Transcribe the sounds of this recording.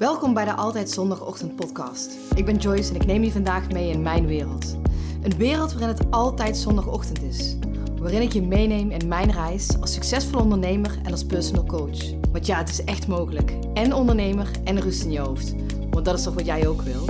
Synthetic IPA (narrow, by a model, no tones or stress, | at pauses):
ʋɛlˠkɔmbɛjdəʔɑlˠtɛjtsɔndɑxɔ̰xtənt̚pɔtkɑ̰st | ɪɡ̚bɛnd͡ʒɔjsɛnɪknejmivɑndaːxmejɪnmɛjnʋɪːrəlˠtʔənʋɪːrəlˠtʋaːrɪnɦətɑlˠtɛjtsɔndɑxɔxtəntɪs | ʋaːrɪnɪkjəmejnejmɪnmɛjnrɛjsɑlˠsːɵksɛsfɔlˠəɔndəɹnejmərɛnɑlˠspɛɹsonəlˠkowt͡ʃ | ʋɑntjaːətɪ̥sɛxtmowɣələk | ɛnɔndəɹnejmərɛnrɵstɪnjəɦowft | ʋɑndɑtɪsʋɑsʋɑtjɛjowkʋɪlˠ